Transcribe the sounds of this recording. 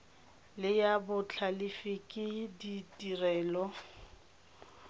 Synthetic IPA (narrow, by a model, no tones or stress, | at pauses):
lɪjabʊt͡ɬʰalɪfɪkʼɪditʼirɛːlɔ